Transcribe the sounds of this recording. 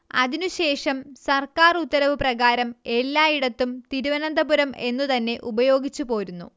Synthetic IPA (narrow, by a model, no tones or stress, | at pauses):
ɐðinuɕe̞ːʂɐmsɐrkaːrut̪ːɐɾɐʋɨprɐɣaːɾɐme̞lːaːiɽɐt̪ːumt̪iɾuʋɐnɐnd̪ɐbuɾɐme̞nːut̪ɐnːe̞ʔubɐjo̞ːɡit͡ɕːupo̞ːɾunːṵ